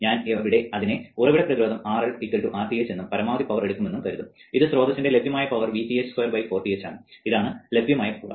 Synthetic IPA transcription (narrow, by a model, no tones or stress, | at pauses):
ɲaːnʋiɽe̞ɐðineurɐʋiɽɐpːrɐðiɾo̞ːd̪ɐmaːrɐɭpikːɐɭʈuʔaːrt̪ijet͡ɕːe̞nːumpɐɾɐmaːʋɐd̪ipɐʋɐre̞ɽukːume̞nːumk̪ɐɾunːuiðɨsro̞ːd̪ɐt͡ɕːɐnde̞lebʱjɐmaːjɐpɐʋɐrʋiːpiessorbɐjfoːrt̪ijet͡ɕːaːɳɨiðaːɳɨle̞bʱjɐmaːjɐpːɐ̰